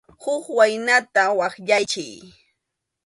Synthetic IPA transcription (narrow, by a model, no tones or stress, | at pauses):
hʊkwajnat̪awɑχʎajt͡ʃɪj